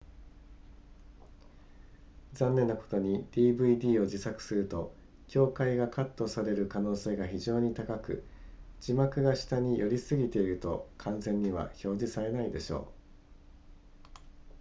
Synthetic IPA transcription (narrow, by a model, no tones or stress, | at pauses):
d͡zãnːe̞nːako̞̥t̪o̞ɲ̟id̪̥iːbɯ̟id̪ʲiːo̞d͡ʑisakɯ̟̥sɨɾɯ̟t̪o̞ | kʲo̞ːkaiɡakʰat̪ːo̞saɾe̞ɾɯ̟kano̞ːse̞ːɡaçiʑo̞ːɲ̟it̪akakɯ̟̰ | d͡ʑimakɯ̟ɡaɕi̥t̪aɲ̟ijʔo̞ɾʲisɨɡʲit̪e̞iɾɯ̟t̪o̞̰kʰãñzẽ̞ɲ̟ːiβa̰ço̞ːd͡ʑisaɾe̞naid̪e̞ɕo̞̰ː